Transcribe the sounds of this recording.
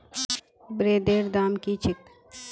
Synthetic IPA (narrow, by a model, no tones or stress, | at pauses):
bɾeːd̪eːɾd̪aːmkit͡ʃʰɪk